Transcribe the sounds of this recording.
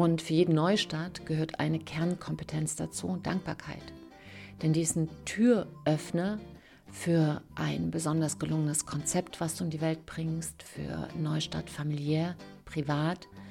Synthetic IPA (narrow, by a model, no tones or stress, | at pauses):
ʔʊntfyːɐjeːdn̩nɔʏʃtaːtɡ̥əhøːɐtʰʔa̰ɪnəkʰɛɐnkʰɔmpətʰɛnt͡sd̥a̰t͡sṵːd̥a̰ŋk̚b̥aːɐkʰa̰ɪt | d̥ɛndiːzn̩tʰyːɐʔœfnɐ | fyːɐʔaɪnbəzɔndɐsɡ̥əlʊŋənəskʰɔnt͡sɛptv̥asd̥uːɪndiːvɛlt̚b̥ʁɪŋstfy̰ːɐnɔʏʃta̰ːtfamiljɛːɐ | pʁ̥ivaːt